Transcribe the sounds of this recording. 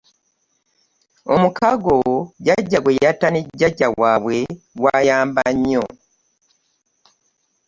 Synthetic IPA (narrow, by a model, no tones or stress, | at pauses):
omukaɡoɟaɟːaɡwejataneɟːaɟːaɡwaːβwe̞ | ɡwaːjaːmbaɲːo